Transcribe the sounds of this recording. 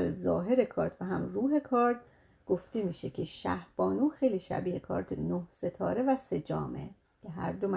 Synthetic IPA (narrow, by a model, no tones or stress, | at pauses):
ɾzɒ̰ːɦe̞ɾekʰɒːɾt̪ʰbæɦæmruːɦe̞kʰɒːɾt̪̚ | ɡ̥oft̪e̞miːʃe̞cʰe̞ʃæ̰hb̥ɒːnuːxejliːʃæ̰biːhekʰɒ̰ːɾd̪ʰenohse̞t̪ʰɒ̰ːɾe̞væse̞d͡ʒɒ̰ːme̞̰ | cʰeɦæɾd̪omæ